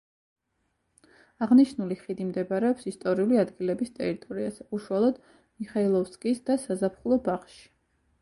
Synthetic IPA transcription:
aʁniʃnuliχid̪imd̪ɛbaɾɛɔpsist̪ʼɔɾiuliad̪ɡilɛbist̪ʼɛ̰ɾit̪ʼɔɾiazɛuʃualˠɔd̪̥ | miχailˠɔfskʼisd̪asazapʰχulˠɔbaχʃi̥

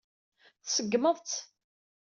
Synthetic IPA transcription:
θsəɡːməðˤt͡s̪

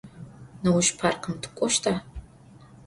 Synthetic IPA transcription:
nɐwʊʃpʰaːrqəmtʰɨ̥kʷʼɔʃtʰaː

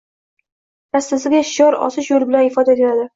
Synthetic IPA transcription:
nast̪ɪzɪɡʲaʃɪjɒɾɒ̰sɪʃjolɪbɪlanɪfɒd̪at̪ʰeɾad̪ɪ

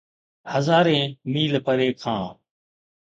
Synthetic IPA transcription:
həzaːɾẽːmiːlpəɾeːkʰãː

